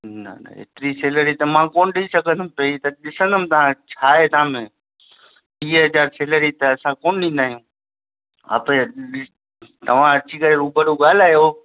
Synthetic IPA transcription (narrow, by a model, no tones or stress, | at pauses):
nɐ̰nɐ̰ɦḛːt̪ɪɾiseːləɾit̪ɐmãːkoːnɗisɐɡʱə̃nd̪ʱəmpɐit̪ɐɗɪsə̃nd̪ʱəmt̪ɐʋ̤ãt͡ɕʰaːet̪ɐãmẽ | ɓiːɦɐzaːɾseːləɾit̪ɐɐsãkoːnɗĩːnd̪aːɦijũː | a̰pe | t̪ɐʋ̤ãɐt͡ɕikɐɾeɾuːbʱəɽuɡaːl̤aːjoː